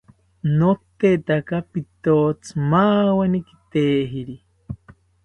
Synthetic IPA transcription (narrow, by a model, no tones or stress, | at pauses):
not̪et̪akapit̪oːt͡sʰmaːweniki̥t̪eːɦiɾi